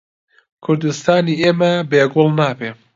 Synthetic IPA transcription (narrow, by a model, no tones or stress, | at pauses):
kʰʊɾd̪ɨst̪ɑːniːeːmɛbeːɡolˠnaːbeː